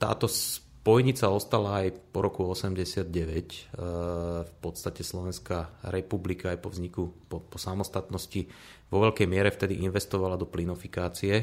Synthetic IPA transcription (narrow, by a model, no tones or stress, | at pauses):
t̪a̰ːt̪ɔs | pɔjɲit͡saɔst̪alaːjpɔɾɔkuɔsɛmɟɛsɪad̪̚ɟɛʋɛc | fpɔt̪st̪acɛslɔʋɛnskaːɾɛpublikaːjpɔvzɲikupɔpɔsamɔst̪at̪nɔsci | ʋɔʋɛʎkɛjmɪɛɾɛft̪ɛd̪iʔinʋɛst̪ɔʋalad̪ɔplinɔfikaːt͡siɛ